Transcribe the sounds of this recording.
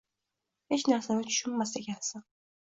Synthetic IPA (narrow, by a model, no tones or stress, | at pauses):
he̞t͡ʃnaɾsanɪt͡ʃʰʊ̥ʃʊmːaseɡʲansan